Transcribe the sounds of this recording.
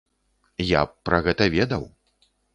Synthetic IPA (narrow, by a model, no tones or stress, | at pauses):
ja̰pɾɐɣɛt̪ɐvʲɛd̪ɐw